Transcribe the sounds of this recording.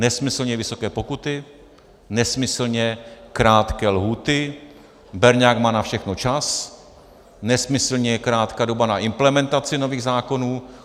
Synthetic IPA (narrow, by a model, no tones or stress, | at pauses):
nɛsmɪsl̩ɲɛvɪso̞kɛːpo̞kut̪ɪ | nɛsmɪsl̩ɲɛkɾaːt̪kɛːlɦuːt̪ɪ | bɛɾɲaːkmaːnafʃɛxnot͡ʃas | nɛsmɪsl̩ɲɛkɾaːt̪kaːdo̞banaʔɪmplɛmɛnt̪at͡sɪno̞viːɣzaːko̞nuː